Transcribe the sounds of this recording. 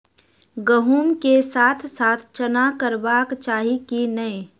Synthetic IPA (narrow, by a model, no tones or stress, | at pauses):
ɡəɦuːmkesaːt̪ʰsaːt̪ʰt͡ʃənakəɾbaːkt͡ʃaːɦikinɐe